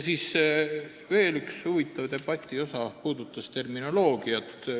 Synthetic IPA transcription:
siːs | ve̞ːlykshuvit̪ːˑɑvd̪e̞b̥ɑt̪ʲːˑio̞sɑpuːd̪̥ut̪ːˑɑst̪e̞rmino̞lo̞ːɡ̥iɑt̪ːˑ

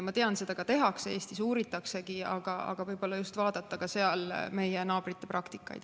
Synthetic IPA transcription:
mɑt̪e̞ɑnse̞d̪̥ɑkɑt̪e̞ɦɑkse̞ːst̪isuːɾit̪ːˑɑkse̞kiɑ̰ɡ̥ɑʔɑ̰ɡ̥ɑvɤjbo̞lːɑjust̪vɑːd̪̥ɑt̪ˑːɑkɑse̞ɑlme̞jenɑːbrit̪ːˑe̞prɑkt̪i̥kːˑɑ̰jd̪̥

